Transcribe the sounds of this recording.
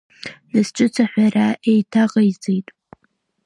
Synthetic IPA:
nɨsʈ͡ʂʷʼɨt͡sʷʰaħʷaraejtʰaʁʼajd͡zejtʼ

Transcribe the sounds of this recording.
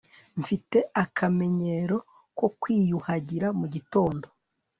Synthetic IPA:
ɱfite̞akʰame̞ɲe̞ɾo̞ | ko̞kwiːjuhaɟiɾamuɟito̞ːndo̞

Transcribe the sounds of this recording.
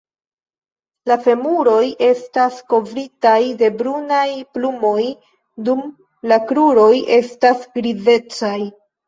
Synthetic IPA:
lafe̞muɾo̞jʔe̞stasko̞vɾitajde̞bɾunajplumo̞j | dum | lakɾuɾo̞jʔe̞stasɡɾize̞t͡saj

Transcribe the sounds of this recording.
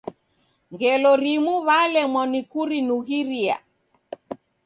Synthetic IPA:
ŋɡɛlɔɾimuβalɛmɔnikuɾinuɣiɾia̰

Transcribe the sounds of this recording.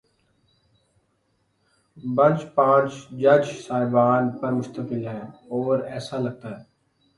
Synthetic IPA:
bənt͡ʃpãːt͡ʃd͡ʒɐd͡ʒsaːɪbaːnpɐɾmʊst̪əkɪlɦɛːɔːɾɛːsalɐɡ̚t̪aːɦɛː

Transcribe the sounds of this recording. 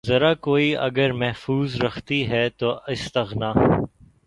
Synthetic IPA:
zɐɾakoːiɐ̰ɡəɾmɛɦfuːzɾɐxt̪iɦɛt̪oɪst̪ɐɣnaː

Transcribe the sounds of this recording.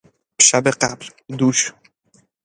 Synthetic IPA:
b̥ʃabeqabl | d̪uʃ

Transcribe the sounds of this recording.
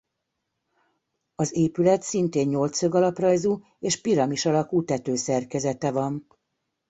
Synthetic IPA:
ɒzeːpylɛt̪sint̪eːɲɲo̞lt̪søɡɒlɒprɒjzuː | eːʃpiɾɒmiʃɒlɒkuːt̪ɛt̪øːsɛrkɛzɛt̪ɛvɒn

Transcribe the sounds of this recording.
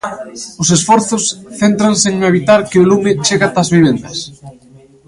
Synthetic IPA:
ʊsesfɔɾθʊsθent̪ɾanseŋeβ̞it̪aɾkɪolumɪt͡ʃeɣat̪azβiβ̞end̪ɐs

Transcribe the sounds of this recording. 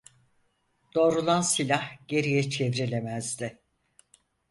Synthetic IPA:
d̪̥o̞ːɾulˠansilʲahɟ̥e̞ɾijɛt͡ʃʰevɾelʲemæzd̪ɪ

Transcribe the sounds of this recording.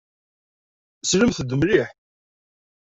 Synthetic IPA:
sləmθəd̪əmɾiħ

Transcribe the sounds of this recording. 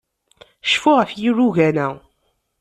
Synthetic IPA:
ʃfuʁəfjirːuɣænæ

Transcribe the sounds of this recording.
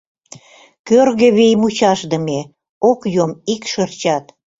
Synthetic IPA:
kørɣeβejmut͡ɕɑʃd̪əme | okjomikʃərt͡ɕɑt̪

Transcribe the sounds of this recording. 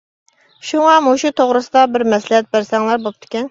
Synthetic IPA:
ʃuŋɑmoʃut̪ʰoʁɾɨsɨd̪ɑbɪɾmɛslɪhɛt̪̚bæɾsɛŋlˠɑɾbop̚t̪ʰʊ̥kʲɛn

